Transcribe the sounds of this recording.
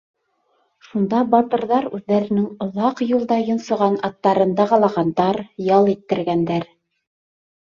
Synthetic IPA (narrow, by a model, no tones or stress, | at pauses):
ʃund̪ɑbɑt̪ɤ̆ɾðɑɾʉðːæɾɘ̆nɘŋŏðɑqjulˠd̪ɑjɤ̆nsŏʁɑnɑt̪ːɑɾɤ̆nd̪ɑʁɑlˠɑʁɑnd̪ɑɾjɑlˠit̪ːɘ̆ɾɡænd̪æɾ